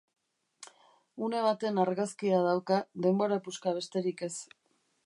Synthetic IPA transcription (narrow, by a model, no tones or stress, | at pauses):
une̞β̞at̪e̞naɾɣaskiað̞awkaðe̞mbo̞ɾapuskaβ̞e̞st̪e̞ɾike̞s